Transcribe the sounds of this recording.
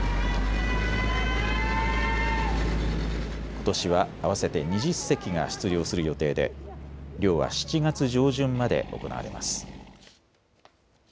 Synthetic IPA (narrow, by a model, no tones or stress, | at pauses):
ko̞̥t̪o̞ɕiβaaβ̞ase̞t̪e̞ɲ̟iʑisːe̞kʲiŋa̰ɕi̥t͡sɨɾʲjo̞ːsɨɾɯ̟jo̞t̪e̞ːd̪e̞̰ɾʲo̞ːβa̰ɕi̥t͡ɕiɡat͡sɨʑo̞ːʑɨ̃mːad̪e̞̰ʔo̞̰ko̞na̰βa̰ɾe̞̰ma̰sɨ̥